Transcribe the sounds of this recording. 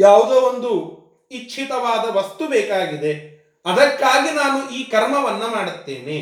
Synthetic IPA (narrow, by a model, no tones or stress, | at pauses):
jaːʋud̪eːond̪u | it͡ʃːt͡ʃʰit̪ɐʋaːd̪ɐʋɐst̪ubɛːkaːɡid̪e̞ | ɐd̪ɐkːaːɡinaːnuʔiːkɐɾmɐʋɐnːɐmaːɽut̪ːḛːne